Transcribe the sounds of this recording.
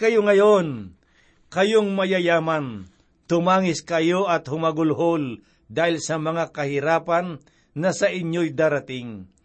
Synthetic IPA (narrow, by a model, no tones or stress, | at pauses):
kɐjoŋɐjon | kɐjoŋmɐjɐjaːmɐn | t̪ʊmaːŋɪskɐjoʔɐt̪hʊmɐɡʊlɦol | d̪aːhɪlsɐmɐŋakɐhɪɾaːpanː | ɐsɐʔɪɲjojd̪aːɾat̪ɪŋ